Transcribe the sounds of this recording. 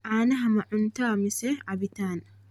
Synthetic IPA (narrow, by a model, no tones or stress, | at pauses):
ʔaːnɐɦɐmɐʕʊnt̪aːmɪsɛʔɐbɪt̪aːn